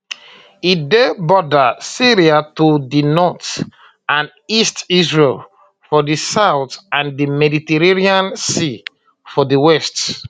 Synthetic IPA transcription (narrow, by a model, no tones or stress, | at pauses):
idebɔdəsiɾiatodinɔt | ãn | istisɹel | fɔdisaʊθãndimɛditɛɹeniãnsi | fɔdiwɛst